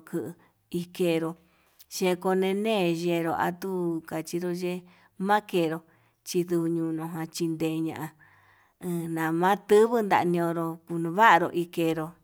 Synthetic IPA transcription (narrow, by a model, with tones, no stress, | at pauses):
kɨ˧ʔ | i˧ke˧˨˧ɾo˧ | ʃẽ˧ko˧nẽ˧nẽː˦˨ʒe˧ɾo˧˨ʔa̰˧t̪u˦ka˨t͡ʃi˧ɾo˧ʒe˦ | mã˦ke˧˨ɾo˧ | t͡ʃi˧ðu˧βɲũː˧˨˧nõ˧˨ɦã˧t͡ʃi˧nd̪eː˧˨˧ɲã̰˧˨ʔa˧ | ɨ̃˧nã˨mã˦t̪ɨ˦βɨ˦nd̪a̰˧ʔnĩ˧õ˧ɾo˧ku˧nũ˧βa˦ʔa˧ɾo̰˧ʔi˧ke˧˨ɾo˧